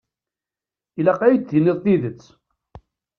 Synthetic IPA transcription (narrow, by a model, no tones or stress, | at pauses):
ilæqæjət͡s̪ːiniðˤθiðət͡sː